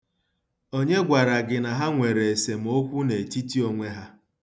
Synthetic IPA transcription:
o˦ɲe˦ɡʷa˨ɾa˨ɡɪ˨na˨ɦa˦ŋʷe˨ɾe˨e˨se˨m̩˨o˦kʷu˦ne˨ti˦ti˦o˦ŋʷe˦ɦa˦

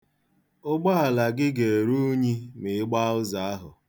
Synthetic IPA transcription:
ʊ˦ɡ͡ba˦a˨la˨ɡɪ˦ɡe˨e˨ɾu˦ɲi˦mɪ˨ɪ˦ɡ͡ba˦ʊ˦za˨a˦ɦʊ˨

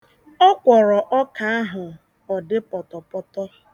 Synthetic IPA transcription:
ɔ˦kʷɔ˨ɾɔ˨ʔɔ˦ka˨a˦ɦʊ˨ | ɔ˨dɪ˦pɔ˨tɔ˨pɔ˦tɔ˦

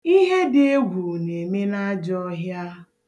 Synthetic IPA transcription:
i˦ɦe˦de˦e˦ɡʷu˨ne˨me˦na˦d͡ʒɔ˦ɦja˦

